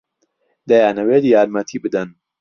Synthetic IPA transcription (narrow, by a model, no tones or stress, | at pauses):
d̪ɐjaːnɐweːd̪jaːɾmɐt̪ʰiːbɨd̪ɐn